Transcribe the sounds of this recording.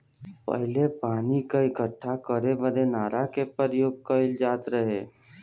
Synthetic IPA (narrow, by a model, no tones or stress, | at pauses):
pə̰ɦlepaːnikaɪɡʱəʈʰːakəɾebəd̪enaːɾakepəɾjoːɡ̚kəɪld͡ʒaːt̪ɾəɦe